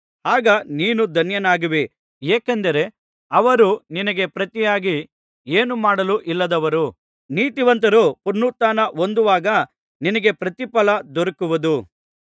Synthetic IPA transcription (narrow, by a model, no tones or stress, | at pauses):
haːɡɐniːnud̪ʱɐnjɐnaːɡiʋi | eːkend̪ɐɾe̞ | ɐʋɐɾuninɐɡe̞pɾɐt̪ijaːɡi | eːnumaːɽɐluʔilːɐd̪ɐʋɐɾu | niːt̪iʋɐnt̪ɐɾupuɾnut̪aːnɐond̪uʋaːɡɐ | ninɐɡe̞pɾɐt̪ipɐlɐd̪ɔɾɐkuʋɐd̪u